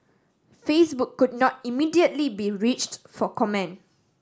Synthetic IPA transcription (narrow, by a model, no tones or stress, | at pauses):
fesbuʊkːud̚nɔt̚imidiətlibiɹit͡ʃtfɔkɔmɛ̃n